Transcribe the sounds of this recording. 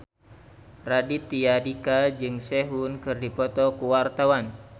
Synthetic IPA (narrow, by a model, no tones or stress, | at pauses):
radit̪iadikad͡ʒɨŋseɦunkɨrdipɔt̪ɔkuwart̪awan